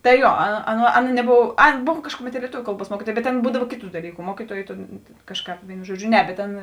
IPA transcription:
tɐɪ ˈjuɔ ɐ ˈɑːˌnɐ nʲɛˈboːw ˈɑːˌnɐ ˈboːw ˈkɑːʃkʊˌmʲɛt lʲiɛˈtʊʋʲʊ ˈkɐlˠˌbuɔs ˈmuɔkʲiːtuɔjeː bʲɛt ˈɑːˌnɐ ˈbuːdɐw ˈkʲeːˌtuː dɐˈlʲiːkʊ ˈmuɔkʲiːtuɔjeː tʲeːn ˈkɑːʃˌkɑːp ˈʋʲeːɪnʊ ˈʒuɔˌd͡ʒʲʊ ˈnʲɛ bʲɛt ˈtʲeːn

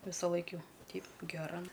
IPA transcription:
ʋʲɪsɐˈlˠɐɪk ˈjɛʊ ˈtʲɛɪp ɡʲɛˈrɐ

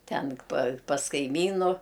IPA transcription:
ˈtʲɛn pɐ pɐs kɐɪˈmʲiːnʊ

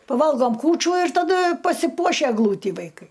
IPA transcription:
pɐˈʋɐlˠɡoːm ˈkuːt͡ʃʲuː ɪr tɐˈdɐ pɐsʲɪˈpuɔʃʲɛ ɛɡˈlˠuːtʲiː ʋɐɪˈkɐɪ

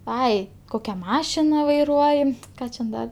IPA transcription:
ˈɐɪ ˈkoːkʲɛ ˈmɑːʃʲɪnɐ ʋɐɪˈruɔjɪ ˈkɑː t͡ʃʲɛ ˈdɐ

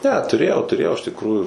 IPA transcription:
nʲɛ tʊˈrʲeːjɛʊ tʊˈrʲeːjɛʊ ɪʃ tʲɪkˈruːjuː

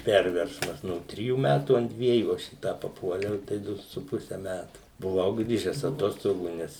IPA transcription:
ˈpʲɛrʲʋʲɛrsmɐs ˈnoː ˈtʲrʲɪjuː ˈmʲætuː ɐnt ˈdʲʋʲiɛjuː ˈɐʃ iː ˈtɑː pɐˈpuɔlʲɛʊ tɐɪ ˈdʊ sʊ ˈpʊsʲɛ ˈmʲætʊ bʊˈʋɐʊ ˈɡrʲiːʒʲɛs ɐˈtoːstoːɡuː ˈnʲɛs

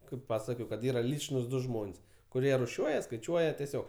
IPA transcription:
kɐɪp ˈpɑːsɐkoːjɛʊ kɐt ˈiːrɐ ˈlʲiːt͡ʃnuːs ˈdʊ ˈʒmoːnʲsʲ kʊˈrʲiɛ rʊˈʃʲuɔjɛ skɐɪˈt͡ʃʲuɔjɛ tʲɛˈsʲoːk

